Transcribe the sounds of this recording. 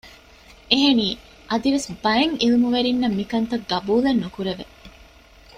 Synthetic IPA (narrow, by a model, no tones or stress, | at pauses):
eɦeniː | ʔɐd̪iʋesbɐjɐŋilumuʋeɾinːɐmːikɐnt̪ɐɡɐbuːlenːukuɾeʋe